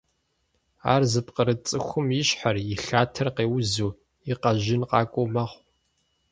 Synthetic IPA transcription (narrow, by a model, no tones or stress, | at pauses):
a̰ːrzɨpqəɾɨt͡sʼɨxʷʊmjɪɕħarjɪɬaːtʰɐrqeːwʊzuː | iqɐʑɪnqɑːkʷʼowmɐχʷ